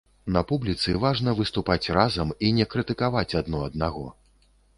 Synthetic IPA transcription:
nɐpublʲit̪sɨvaʐnɐvɨst̪upat͡sʲrazɐminʲɛkɾɨt̪ɨkavat͡sʲad̪nɔɐd̪̚naɣɔ̰

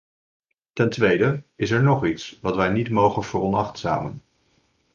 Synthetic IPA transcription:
tɛntʋejdəɪs̬ɛɹnɔχitsʋɑtʋɛjnitmowχənvəːrɔnɑχtsa̰ːmən

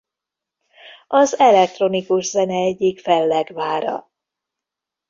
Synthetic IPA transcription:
ʔɒzɛlɛk̚t̪ro̞nikuʒzɛnɛɛɟːikfɛlːɛɡvaːɾɒ̰

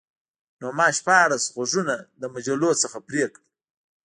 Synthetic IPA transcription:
nomɑːʃpɑɽasɣaʐunad̪əmad͡ʒalosəxapɾekɽ

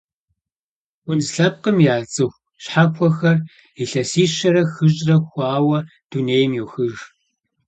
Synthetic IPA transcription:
wʊnzɬɐp̚qəmjaːt͡sʼɨxʷ | ɕħakʷʰɔxɐr | iɬɐsiːɕɐɾɐxɨʑʼrɐxʷɑːwɐ | d̥uneːjmjɛwxɨʒ

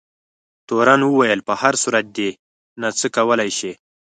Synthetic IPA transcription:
t̪oɾanwəwajəlpəhaɾsuɾat̪̚d̪e | nat͡səkawəlajʃi

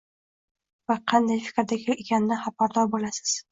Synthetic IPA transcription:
vaqʰɑnd̪ajfɪ̥kʲɾd̪akʲɪekʲanɪnɪhapaɾd̪ɒɾbolasɪ̥z̥

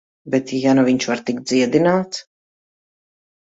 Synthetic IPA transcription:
bɛt̪janaviɲʲt͡ʃvaɾt̪ikd̪ziɛd̪inaːt̪s

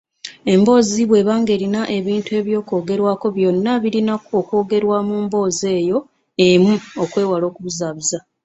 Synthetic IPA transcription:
e̞mbo̞ːziβwe̞βaːŋɡe̞ːɾinaʔe̞βiːntue̞ːβjo̞ːko̞ːɡe̞ɾwaːko̞βjo̞nːaβiɾinakuoko̞ːɡe̞ɾwaːmuːmbo̞ːze̞ːjo̞ | emuo̞kwe̞ːwalo̞ːkuβuzaːβiza

